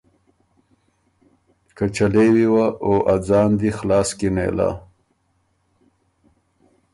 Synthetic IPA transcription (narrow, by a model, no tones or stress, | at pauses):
kat͡ʃalewiwaʔoʔad͡zɑːnd̪ixlɑːskinḛla̰